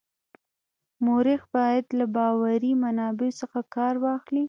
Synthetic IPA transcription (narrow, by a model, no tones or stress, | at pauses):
moɾɪxbɑjad̪labɑwaɾimanɑbesəxakɑɾwɑxli